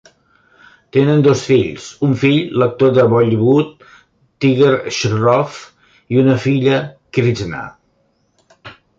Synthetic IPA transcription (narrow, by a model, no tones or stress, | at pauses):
t̪enənd̪osfiʎsuɱfiʎlək̚t̪oðəβɔʎβut̪ː | iɣəɾʃrɔf | iunəfiʎəkɾid͡ʒna̰